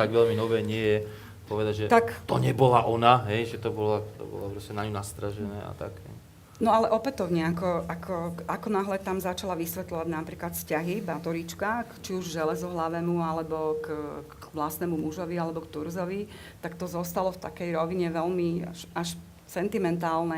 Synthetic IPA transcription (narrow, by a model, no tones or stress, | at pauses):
t̪aɡʋɛʎminɔʋɛːɲɪɛjɛ | pɔʋɛd̪aɟʒɛt̪akt̪ɔɲɛbɔlaʔɔnaɦɛjʒɛt̪ɔbɔlat̪ɔ̰bɔ̰lapɾɔscɛnaɲunast̪ɾaʒɛnɛ̰ːa̰t̪a̰kɦɛ̰j | nɔalɛʔɔpɛt̪ɔʊɲɛakɔʔakʰɔakɔnaɦlɛt̪amzat͡ʃalaʋisʋɛt̪lɔʋaɟnapɾiːklat̪scaɦibat̪ɔɾit͡ʃkakt͡ʃiuʒʒɛlɛzɔɦlaʋɛmualɛbɔk | ʋlast̪nɛmumuʒɔʋialɛbɔkt̪uɾzɔʋi | t̪akt̪ɔzɔst̪alɔft̪akɛjɾɔʋiɲɛʋɛlmia̰ʃaʃ | t͡sɛnt̪imɛnt̪aːlnɛ